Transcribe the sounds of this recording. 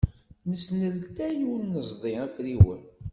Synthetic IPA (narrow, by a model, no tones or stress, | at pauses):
nəsnəlt̪æjuɾnəzˤd̪ˤiæfɾiwə̰n